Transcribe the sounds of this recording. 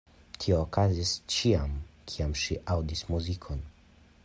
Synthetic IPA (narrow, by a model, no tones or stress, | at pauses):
tʰio̞ːkazist͡ʃiamkʰiamʃiʔawdismuzikʰo̞n